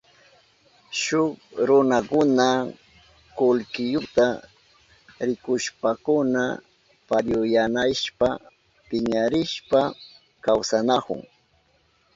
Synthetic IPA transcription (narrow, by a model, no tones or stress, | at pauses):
ʃʊkɾʊnakʊna | kʊlkɪjʊt̪a | ɾɪkʊʃpakʊna | paʎʊjanaʃpa | pɪɲaɾɪʃpa | kawsanakʊ̰ŋ